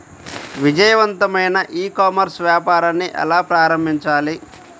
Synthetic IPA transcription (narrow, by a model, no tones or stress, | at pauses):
ʋid͡ʒɐjɐʋɐnt̪ɐmɐjnɐʔiːkaːmɐɾsʋjaːpaːɾɐnːiʔɛ̰laːpɾaːɾɐmbʱiɲt͡ʃaːli